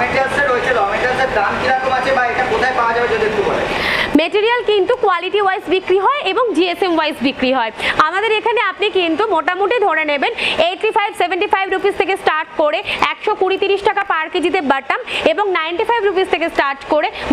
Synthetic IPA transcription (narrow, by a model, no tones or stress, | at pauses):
eʈaseɾoet͡ɕʰeɾɔmeʈad̪eɾd̪amkiɾakomat͡ɕʰebaeʈakot̪ʰaepaoad͡ʑabed͡ʑad̪ed̪ukaɾḛmeʈiɾialkint̪ukwaliʈiwajsbikɾiɦɔeʔeboŋd͡ʑiesemwajsbikɾiɦɔeamad̪eɾekʰaneapnikint̪umoʈamuʈid̪ʱoɾenebeneʈɾifajbsebʱeɳʈifajbɾupist̪ʰekesʈaɾʈkoɾeɛkʃokuɽit̪iɾiʃʈakapaɾkid͡ʑit̪̬ebəʈameboŋnajɳʈifʰajbɾupist̪ʰekesʈaɾʈkoɾe